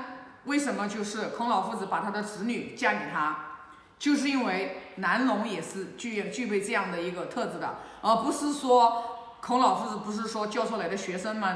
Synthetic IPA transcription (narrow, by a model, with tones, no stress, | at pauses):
we˥˩ɪʂə˧˥nmə˧t͡ɕjo˥˧ʊʂɻ̩˥˩kʰʊ˧˥ŋlɑ˨˩ʊfu˥˩d͡zɹ̩˧˥pa˨˩t̪ʰa˥d̪ə˨ʈ͡ʂɻ̩˧˥ny˨˩t͡ɕja˥˩kɛ˨˩t̪ʰa˥ | t͡ɕjo˥˧ʊʂ̬ɻ̩˥˩˧i˥nwe˥˩ɪna˧˥nlʊ˧˥ŋjɛ˨˩ʂɻ̩˥˧t͡ɕy˥˧ɛ˥˧t͡ɕy˥˧pe˥˧ɪʈ͡ʂɤ˥˧jɑ˥˩ŋd̪ə˩i˧˥ɡə˧t̪ʰɤ˥˧˩t͡sɹ̩˨˩d̪ə̰˩ | ə˧˩pu˧˥ʂɹ̩˥˩ʂwɔ˥ | kʰʊ˧˥ŋlɑ˨˩ʊfu˥˩d͡zɹ̩˨˩pu˧˥ʂ̬ɻ̩˥˩ʂwɔ˥t͡ɕjɑ˥˧ʊt͡sʰɔ˥˩la˧˥ɪd̪ə˧˩ɕɥɛ˧˥ʂə˥ŋmɐ˨